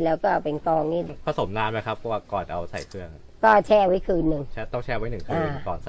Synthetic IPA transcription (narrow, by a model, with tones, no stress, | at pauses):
lɛː˦˥wkɔː˥˩pe˧nkɔː˧ŋniː˥˩dkʰɔː˧˩so˩˦mnaː˧ma˦˥jkʰa˦˥pʰːɔ˧˩waː˧˩kɔː˨˩t̪̚ʔa˧wsa̰˨˩jkʰɯ˥˩əŋa˧kɔː˥˩t͡ɕʰɛː˧wa˦˥jkʰɯː˧nːɯ˨ŋt͡ɕʰɛ˧t̪ɔ˥˩ŋt͡ɕʰɛː˧wa˦˥nɯ˨˩ŋkʰɯː˧aː˧˩˧kɔː˨˩n̚a˨